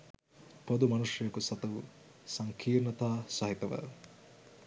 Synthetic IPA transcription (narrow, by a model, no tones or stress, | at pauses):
pod̪umɐnuʂjɐjɐkusɐt̪ɐʋu | sɐŋkʰiːrnɐt̪aːsɐɦit̪ɐʋɐ̰